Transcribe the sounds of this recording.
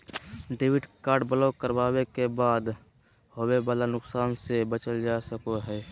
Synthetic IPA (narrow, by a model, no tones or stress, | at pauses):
ɖewɪʈkaːɾɖbəlokəɾbaːwekebaːd̪ | howebaːlanʊksaːnsebət͡ʃəld͡ʒasəkoɦɛː